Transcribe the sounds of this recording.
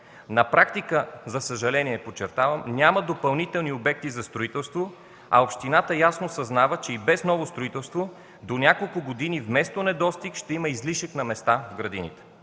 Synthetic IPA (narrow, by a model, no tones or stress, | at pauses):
nɐpɾakt̪ikəzɐsəʒɐlɛniɛpot͡ʃɛɾt̪avəmnʲjaməd̪opɐlˠnit̪ɛlˠniobɛk̚t̪izɐst̪ɾoit̪ɛlˠst̪vo | ɐ̰opʃt̪inat̪əjasnosɐznavət͡ʃɛibɛsnɔvost̪ɾoit̪ɛlˠst̪vo | d̪onʲakolˠkʊɡod̪inivmɛst̪onɛd̪ɔst̪ikʃt̪ɛiməizliʃəknɐmɛst̪avɡɾɐd̪inḭt̪ɛ̥